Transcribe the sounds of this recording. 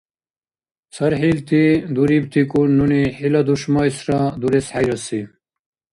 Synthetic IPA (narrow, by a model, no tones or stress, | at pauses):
sɐɾɦilt̪id̪uɾib̚t̪ʰikunːuniħilɐd̪uʂmɔisɾad̪uɾesħajɾɐsi